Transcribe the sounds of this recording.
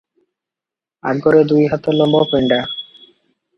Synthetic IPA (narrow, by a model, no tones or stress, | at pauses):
a̰ɡɡɔɾed̪ujɦat̪ːalɔmbʱɔpeɳɖa